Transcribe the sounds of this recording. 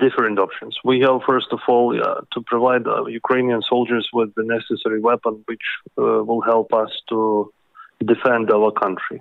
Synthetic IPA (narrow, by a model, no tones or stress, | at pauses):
d̥ɪfəɹɨ̃ntɔpʃɨ̃nswihævfɜ˞stɔvɔlˠtʰupʰɹɔvaɪdjukʰɹ̥ẽɪ̃niə̃nsoʊlˠd͡ʒə˞zwɪðɨnɛsɨsɛɹiwɛpə̃nwɪt͡ʃwɪlˠɦɛlˠpʌstʰu | dɨfɛ̃ndawə˞kʰʌ̃ntɹḭ